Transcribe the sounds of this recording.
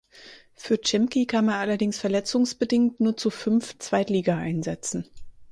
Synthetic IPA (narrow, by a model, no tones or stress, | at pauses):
fyːɐt͡ʃɛmkikʰanmanʔalɐdɪŋsfɛɐlɛt͡sʊŋsb̥ədɪŋktnuːɐt͡sufʏnft͡sv̥aɪtliːɡaʔa̰ɪnzɛt͡sn̩